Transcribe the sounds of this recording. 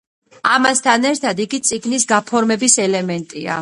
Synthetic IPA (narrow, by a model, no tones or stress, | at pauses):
amast̪ʰanɛɾt̪ʰad̪iɡit̪sʼiɡnisɡapʰɔɾmɛbisɛlɛmɛnt̪ʼia̰